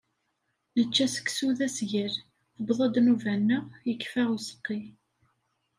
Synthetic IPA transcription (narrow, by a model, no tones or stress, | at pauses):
nət͡ʃːæsə̥kːsuðæsʝəɾ | θəbðˤɑd̪nuvænːəʁjəkːfæʁusə̥qːi